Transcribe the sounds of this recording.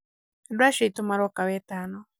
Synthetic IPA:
dwaʃitumaɾɔkaβɛtanɔ

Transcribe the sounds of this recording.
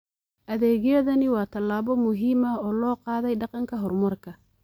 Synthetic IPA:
ʔɐðɛːɣjɐðɐnɪwɑːt̪ʰɐlːaːβɔmʊɦiːmɐɔːlɔːqɑːðɛjɖɑqɑŋkʰɐɦɔrmɐrkʰɐ

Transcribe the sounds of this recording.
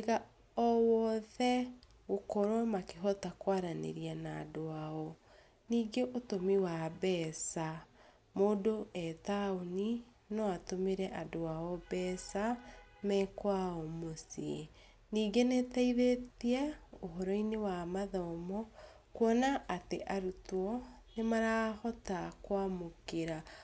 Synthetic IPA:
eɣa | ɔwɔðɛ | ɣokɔɾwamakeɦɔtakwaɾanḛɾianaːdoaɔ | niːɡeʔotomiwabɛːsa | moːdoɛtaoni | nɔatomeɾɛʔadoaɔbɛːsa | mɛkwaɔmosi | niːɡenetaiðetiɛoɦɔɾɔinewamaðɔmɔ | kwɔnaːteʔaɾutɔnemaɾahɔtakwamokeɾa

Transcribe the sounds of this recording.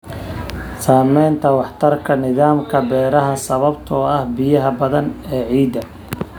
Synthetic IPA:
saːmɛjnt̪ʰɐwɑħt̪ʰɐrkʰɐnɪðaːmkʰɐbɛːɾɐɦɐsɐβɐbt̪ʰɔɐhbɪjɐɦɐbɐðɐnɛːʕiːd̪ɐ

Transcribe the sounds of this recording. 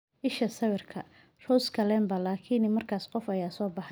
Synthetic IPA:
ʔɪʃɐsɐβɪrkʰɐ | rɔwskʰɐlɛːmbɐlaːkʰɪnɪmɐrkʰaːsqɔfɐjaːsɔːbɑħ

